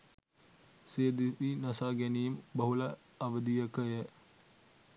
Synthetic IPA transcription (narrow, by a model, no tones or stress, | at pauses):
sejəd̪itinɐsaːɡɛnijumbɐɦulɐː | ʋəd̪ijəkəjə